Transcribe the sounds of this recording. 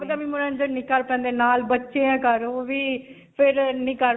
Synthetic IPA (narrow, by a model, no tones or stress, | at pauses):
bd̪aːmĩːmʊɾɛ̃ːnd͡ʒəɾnĩːkəɾpɛ̃ːnd̪eːnaːlbətːʃeːãːkəɾoːʋiː | pʰɪɾnĩːkəɾ